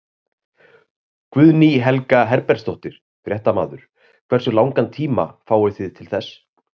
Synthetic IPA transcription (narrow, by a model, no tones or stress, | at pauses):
kvʏðniɦɛlkaɦɛɾpɛɾ̥st̪ɔht̪ɪɾ̥ | fɾjɛht̪ama̰ːðʏɾ̥ | kʰvɛrsʏlawŋkant̪ʰiːma̰faːwɪθɪðt̪ʰɪlθɛs